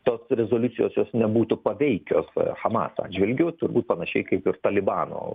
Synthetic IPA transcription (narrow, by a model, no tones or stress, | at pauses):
t̪oːsɾʲɛzoːlʲʊt͡ssʲɪjoːsjoːsnʲɛbuːt̪ʊpɐʋʲɛɪkʲo̰ːsxɐmɑ̰ːsɑ̰ːd̪ʲd͡ʒʲʋʲɪlʲɡʲʊːt̪ʊɾbuːt̪pɐnɐʃʲɛɪkɐɪpɪrt̪ɐlʲɪbɑːno̰ː